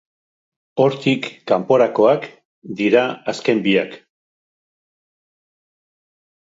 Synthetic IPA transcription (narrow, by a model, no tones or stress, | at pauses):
o̞ɾt̪ikːampo̞ɾako̞ak | d̪iɾaaske̞mbiak